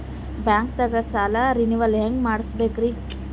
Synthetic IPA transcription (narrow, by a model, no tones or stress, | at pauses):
baːŋk̚t̪ɐɡɐsaːlaɾiniʋɐlɦeŋɡmaːɽsbekɾi